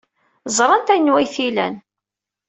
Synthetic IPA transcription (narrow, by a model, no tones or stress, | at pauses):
zˤɾˤɑnt̪æjnwæjθilæ̰n